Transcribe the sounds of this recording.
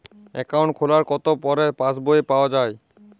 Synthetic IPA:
ɛkawɳʈ̚kʰolaɾkɔt̪opɔɾepãsboepaoad͡ʑae

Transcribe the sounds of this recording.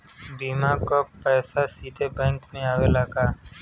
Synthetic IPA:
biːmakopɛːsasiːd̪ʱebɛ̃ːŋkmẽaːʋelaːɡaː

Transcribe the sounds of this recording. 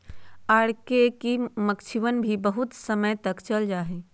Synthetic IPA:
aːɽkekiməkt͡ʃʰiʋənbʱibəɦʊt̪səməjt̪əkt͡ʃəld͡ʒaːɦe

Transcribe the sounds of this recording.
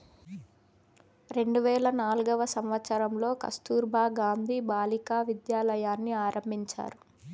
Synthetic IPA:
ɾe̞ɳɖuʋɛːɭɐnaːluɡɐʋɐsɐmʋɐt̪sɐɾɐmlo̞ːkɐ̰st̪uːɾbʱaːɡaːnd̪ʱiːbaːlikaːʋid̪jaːlɐjaːnːiaːɾʔɐmbʱiɲt͡ʃa̰ːɾu

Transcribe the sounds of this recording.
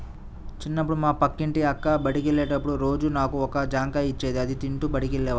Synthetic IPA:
t͡ʃinːɐp̬ːuɽumaːpɐkːiɳʈiɐkːaːbɐʈikeɭːɛːʈɐpːuɽuɾo̞ːd͡ʒunaːkuɔkɐd͡ʒaːŋkɐit͡ʃːeːd̪iɐd̪it̪iɳʈubɐɽikeɭːɛːʋa

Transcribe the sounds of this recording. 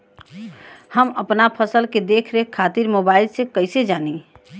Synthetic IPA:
həməpnapʰəsəlked̪ekʰɾekʰat̪iɾmobaɪlsẽkəɪsed͡ʒani

